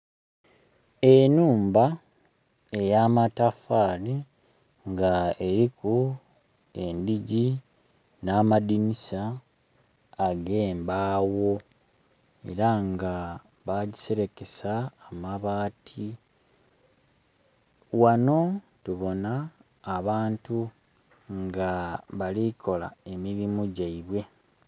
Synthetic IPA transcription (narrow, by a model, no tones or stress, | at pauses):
e̞nuːmba | e̞jaːmatafaɾi | ŋɡaeɾiku | e̞ndiɟi | naːmadinisa | ɡe̞ːmbaːwo̞ | ḛɾaŋɡa | βaɟise̞ɾe̞ke̞saːmaβaːtʰi | wano̞ | tuβo̞naː | βaːntu | ŋɡaβalikʰo̞la̰e̞miɾimuɟaiβwe̞